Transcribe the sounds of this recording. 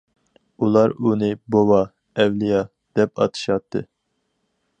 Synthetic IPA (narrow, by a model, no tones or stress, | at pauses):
ulˠɑɾunɨbowɑ | ɛwlijɑ | d̪̥ɛpɑ̰t̪ʰɨ̥ʃɑt̪ʰːɨ